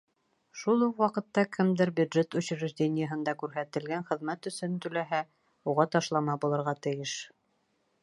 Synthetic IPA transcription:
ʃulˠuqwɑqɤ̆t̪ːɑkʰɘmd̪ɘɾbʲjud̪ʒet̪ŭɕɾɘ̆ʒdʲenʲɪjəɦɤ̆nd̪ɑkʉɾɦæt̪ɘ̆lɡænχɘ̆ðmæt̪ɵ̆sɵnt̪ɵ̆læɦæ | uʁɑt̪ɑʃlˠɑmɑbulˠɤ̆ɾʁɑt̪ɘ̆jɘʃ

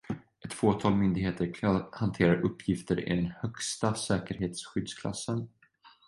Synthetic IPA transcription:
ɛt̪ːfoːt̪ʰɑːlmʏnd̪ɪɦeːt̪əɾhant̪ʰeːɾaɾɵpːjɪft̪əɾɪ̰d̪ɛnhœkst̪asɛːkəɾɦeːt̪sɧʏd̪skʰla̰sːən

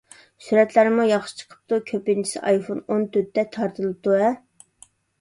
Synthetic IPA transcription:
syɾɛt̪læɾɪmujɑχʃɨ̥t͡ʃʰə̥qʰə̥p̚t̪ukʲʰøpɪnt͡ʃʰi̥sɪ̰ʔɑ̰jfonont̪ʰøt̪ːɛt̪ʰɑɾt̪ʰɨlˠɨt̪uɛ

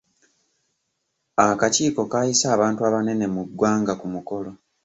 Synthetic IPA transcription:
akaciːko̞kaːjisaːβaːntuaβane̞ne̞muɡwaːŋɡakumuko̞lo̞

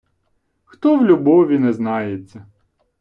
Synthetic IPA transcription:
xt̪ɔwlʲubɔʋʲinɛznɑjet͡sʲːɐ

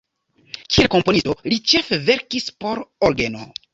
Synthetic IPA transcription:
kielko̞mpo̞nistolit͡ʃe̞feve̞ɾkispo̞ɾoɾɡeno̰

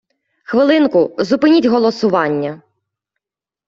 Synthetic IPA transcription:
xʋɪlˠɪnkʊzʊpɪnʲitʲɦɔlˠɔsʊʋɑnʲːɐ

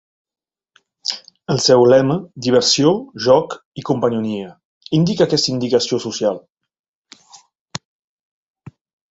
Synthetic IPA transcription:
əlˠsɛwlɛməd̪iβəɾsjoʒɔk | ikumpənuniə | ind̪ikəːkɛst̪ind̪ikəsiosusjal

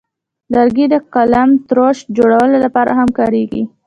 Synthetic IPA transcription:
laɾɡid̪əqalamt̪ɾoʃd͡ʒoɽawəlolapɑɾa̰ɦamkɑɾeɡḭ

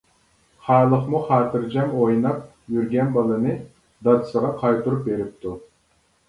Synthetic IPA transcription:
χɑːlˠəχmuχɑːt̪ʰɨɾd͡ʒɑmojnɑp̚ | jyɾɡʲɛnbɑlˠɨnɨ | d̪ɑd̪ɨ̥səʁɑqʰɑjt̪uɾup̚beɾɪp̚t̪ʰu

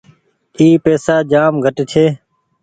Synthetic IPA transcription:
iːpeːsaːd͡ʒaːmɡʱəʈt͡ʃʰeː

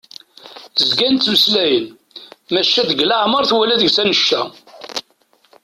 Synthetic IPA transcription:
əzɡænt̪ːməslæjən | mæʃːæðəɡlaʕməɾˤθwælæðəɡsænəʃːæ

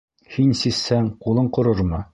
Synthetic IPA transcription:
hinsisːæŋqulˠɤɴqŏɾoɾmɤ

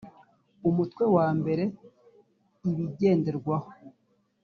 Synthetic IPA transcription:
umutkwe̞waːmbe̞ɾe̞ | iβiɟe̞ːnde̞ɾɡwaho

